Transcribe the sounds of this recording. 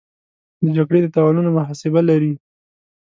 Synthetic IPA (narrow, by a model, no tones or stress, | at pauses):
d̪əd͡ʒaɡɽed̪ət̪awɑnunomʊɦɑsɪbalaɾi